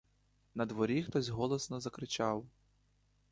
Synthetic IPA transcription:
nɐd̪ʋɔɾʲixt̪ɔzʲɦɔlˠɔsnɔzɐkɾɪt͡ʃɑw

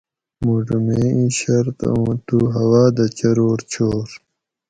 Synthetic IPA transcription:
muʐumeːĩɕɐɾt̪ũːt̪uɦɐwaːd̪ɐt͡ɕɐɾoːɾt͡ɕʰoːɾ

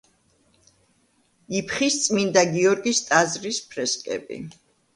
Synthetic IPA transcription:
ipʰχist̪sʼmind̪aɡiɔɾɡist̪ʼazɾispʰɾɛskʼɛ̰bḭ

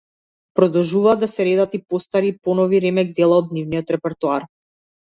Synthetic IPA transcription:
pɾɔd̪ɔlˠʒuvaːd̪asɛɾɛd̪at̪ipɔst̪aɾiːpɔnɔviɾɛmɛɡ̚d̪ɛlˠaɔd̪nivniɔt̪ɾɛpɛɾt̪uaɾ

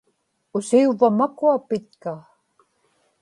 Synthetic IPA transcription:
ʊsiuvamakuapɪt̪ka

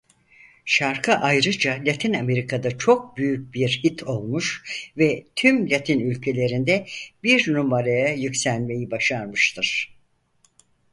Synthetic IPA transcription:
ʃaɾkʰɯʔajɾɯd͡ʒalʲat̪ʰiname̞ɾikʰad̪at͡ʃʰo̞k̚byjyc̚biɾhit̪ʰo̞lˠmuʃvɛt̪ʰymlʲat̪ʰinylʲcʰe̞lʲe̞ɾind̪ɛbiɾnumaɾajajycsælʲme̞jibaʃaɾmɯʃt̪ʰɯɾ̥

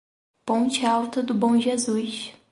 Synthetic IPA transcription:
põnt͡ʃɪawt̪ɐd̪ʊbõw̃ʒezujʃ

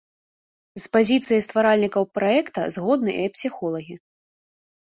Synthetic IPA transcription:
spazʲit̪sɨjɐjst̪vaɾalʲnʲikɐwpɾaɛkt̪ɐ̰zɣɔd̪̚nɨʔɛpsʲixɔlˠɐɣʲi

